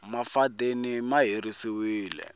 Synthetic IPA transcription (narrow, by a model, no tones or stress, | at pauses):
mafadenimaɦiɾisiwiːlɛ̰